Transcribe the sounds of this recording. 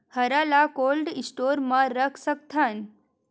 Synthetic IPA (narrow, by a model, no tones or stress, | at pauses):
həɾalakolɖisʈoɾmaɾəkʰsək̚t̪ʰan